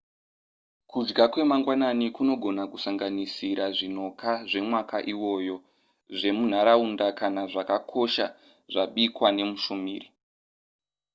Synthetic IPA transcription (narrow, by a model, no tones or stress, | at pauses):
kud͡ʒɡakwe̞maŋɡwananikuno̞ɡʱo̞nakusaŋɡanisiɾaʐin̤o̞kʰaʐe̞mwakaʔiwo̞jo̞ | ʐe̞mun̤aɾaundakanaʐakakʰo̞ʃa̰ | ʐaɓikwane̞muʃumiːri